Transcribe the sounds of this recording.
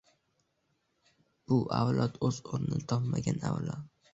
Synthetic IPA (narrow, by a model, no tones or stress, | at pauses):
b̥ʊʔawlɒt̪ɵzoɾnɪnt̪ʰɒpmaɡʲanawlɒt̪̚